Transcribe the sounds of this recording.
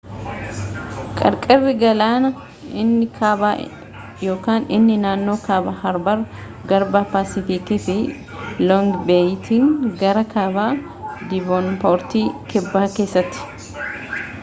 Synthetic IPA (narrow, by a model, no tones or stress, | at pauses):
kʼɐɾkʼɛrːɪɡɐlaːnɐ | ɪnːɪkʰaːbaː | jo̞ːkaːnɪnːɪnaːnːo̞ːkaːbaːhɐɾbɐɾ | ɡɐɾbaːpaːsɪfɪkifɪ | lɔŋɡbeːjt̪ʰiːŋɡɐɾɐkʰaːbaː | d̪ɪbɔnpoːɾt̪iːkɛbːaːke̞ːsːɐt̪ːɪ̥